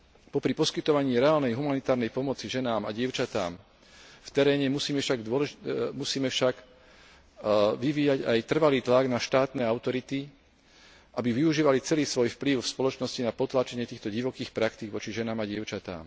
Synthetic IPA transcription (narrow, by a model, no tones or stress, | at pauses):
pɔpɾipɔskit̪ɔʋaɲiːɾɛaːlnɛjɦumanit̪aːɾnɛjpɔmɔt͡siʒɛnaːmaɟɪɛʊt͡ʃat̪a̰ːm | ft̪ɛɾɛːɲɛmusiːmɛʃaɡd̪ɔmusiːmɛfʃaɡ | ʋiʋiːjaɟajt̪r̩ʋaliːt̪laɡnaʃt̪aːt̪nɛːaʊt̪ɔɾit̪i | ʔabiʋiuʒiːʋalit͡sɛliːsʋɔjfpliʊfspɔlɔt͡ʃnɔscinapɔt̪laːt͡ʃɛɲɪɛt̪iːxt̪ɔɟiʋɔkiːxpɾakt̪iɡʋɔt͡ʃiʒɛnaːmaɟɪɛʊt͡ʃat̪a̰ːm